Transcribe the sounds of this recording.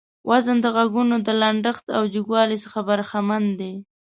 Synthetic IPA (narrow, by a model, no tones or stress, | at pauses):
wʔazənd̪əɣaɡunod̪əlaɳɖəxt̪awd͡ʒɪɡwɑlisəxabaɾxamand̪e